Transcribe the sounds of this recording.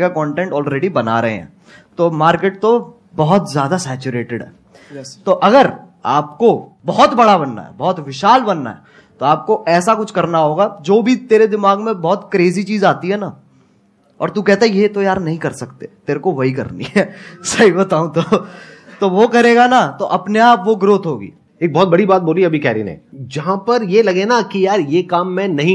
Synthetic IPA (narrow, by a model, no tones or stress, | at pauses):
kakɔːɳʈẽɳʈɔːlɾeːɖibɐna̰ɾɐɦḛ̃ɦɛ̰̃ː | t̪omaːɾkeːʈ̚t̪o | bɔɦʊt̪zjaːd̪asɛːt͡ʃʊɾeːʈɪɖɦɛ̰ː | t̪oʔɐɡəɾ | a̰ːp̚kobɔɦɔt̪bɐɽabɐnːa̰ɦɛ̰bɔːt̪ʋɪʃaːlbɐnːa̰ɦɛ | t̪oaːp̚koʔɛːsakʊt͡ʃʰkɐɾnaɦoːɡad͡ʒoːbʱit̪eːɾed̪ɪmaːɡmẽbɔːt̪kɾeːzit͡ʃiːzaːt̪iɦɛna | ɔ̰ːɾt̪ukɛɦt̪aɦɛjet̪ojaːɾnɐɦĩkɐɾsɐkt̪et̪eːɾekoʋɐɦikɐ̰ɾnḭɛːsɐibɐt̪aːũt̪o | t̪oʋokɐɾeːɡanat̪oʔɐpneaːpʋoɡɾoːt̪ɦoːɡḭː | eːk̚bɔːt̪̚bɐɽibaːt̪̚boːliɐbʱikɛːɾḭːnḛd͡ʒɐɦãpɐɾjelɐɡenakijaːɾjeːkaːmːɛ̃nɐɦĩ